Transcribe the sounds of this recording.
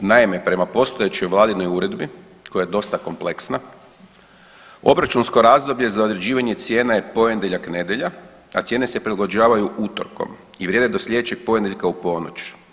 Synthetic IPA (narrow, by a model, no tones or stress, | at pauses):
naime̞pɾe̞mapo̞st̪ojet͡ɕojʋlˠaːd̪id̪no̞juɾe̞d̪bi | ko̞jajed̪o̞st̪ako̞mple̞ksna | o̞̰bɾat͡ʃunsko̞ɾazd̪o̞blʎe̞zaod̪ɾe̞d͡ʑiːʋaɲe̞t̪sje̞ːnaje̞po̞je̞nd̪eʎakne̞d̪je̞ʎa | at̪sʲje̞ːne̞se̞pɾilaɡod͡ʑaːʋajuʔut̪o̰ɾko̞̰m | iʋɾjed̪ed̪o̞sʎʲe̞d̪et͡ɕe̞ɡ̥̚po̞jed̪eʎkaupo̞no̰t͡ɕ